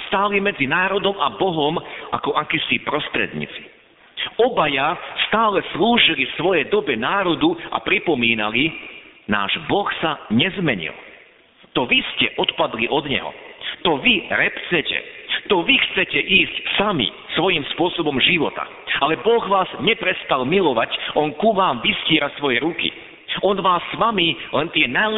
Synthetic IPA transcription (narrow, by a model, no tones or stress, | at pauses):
st̪aːlimɛd͡zinaːɾɔd̪ɔmabɔɦɔmʔakɔʔakisipɾɔst̪ɾɛ̰d̪ɲḭːt͡si̥ | ɔbajast̪aːlɛsluːʒilifsʋɔjɛjd̪ɔbɛnaːɾɔd̪ua̰pɾipɔmiːnalina̰ːʒbɔxsaɲɛzmɛɲḭl | t̪ɔʋiscɛʔɔt̪pad̪liʔɔd̪ɲɛ̰ɦɔ̰t̪ɔʋiɾɛpt͡sɛcɛ̰t̪ɔʋixt͡sɛcɛʔiːscsamḭ | sʋɔjimspʊɔsɔbɔmʒiʋɔ̰t̪a̰ | alɛbɔɣʋaːzɲɛpɾɛst̪almilɔʋacʔɔnkuʋaːmʋisciːɾasʋɔjɛɾukḭ | ɔnʋaːsːʋamilɛnt̪ɪɛna